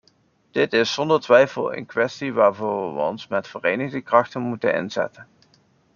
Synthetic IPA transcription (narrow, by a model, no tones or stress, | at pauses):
d̥ɪtɪsːɔndəɹtʋɛjfəlˠə̰nkʋɛstiʋaːɹvʊːɹʋə̰ɔ̰nsmɛtfərejnəɣdəkrɑxtənmutənɪ̰nzɛ̰tən